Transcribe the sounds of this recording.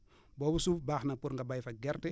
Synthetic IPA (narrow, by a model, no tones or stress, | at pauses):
bɔːbusufbaːxnɐpuɾŋɡabajfɐɡɛrtɛ